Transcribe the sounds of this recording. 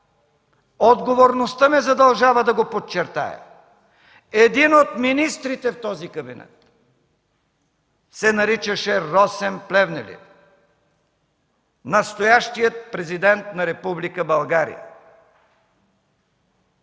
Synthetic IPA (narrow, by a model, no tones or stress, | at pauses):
od̪ɡovoɾnost̪əmɛzɐd̪ɐlˠʒavəd̪ɐɡopot͡ʃɛɾt̪a̰ɛ̰ | ɛd̪inot̪minist̪ɾit̪ɛft̪ɔzikɐbinɛ̰t̪ | sɛnɐɾit͡ʃəʃɛɾɔsɛmplɛvnɛlḭt̪ | nɐst̪ojaʃt̪ijət̪̚pɾɛzid̪ɛnt̪nɐɾɛpublikəbɐlˠɡaɾḭjə̰